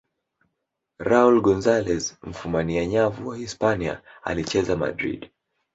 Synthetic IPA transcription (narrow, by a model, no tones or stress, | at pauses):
ɾaulɡɔnzalɛzm̩fumaniaɲavuwahispania̰a̰lit͡ʃɛzama̰dɾḭd